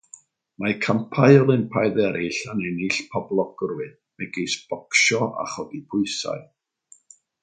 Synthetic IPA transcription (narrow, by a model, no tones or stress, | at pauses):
makʰampʰajɔlˠɪmpʰajðɛɾiɬanɛniɬpʰɔblˠɔɡ̥ʊrwɨd | mɛɡejsb̥ɔkʃɔʔa̰χɔɡipʰʊɨsa̰ɨ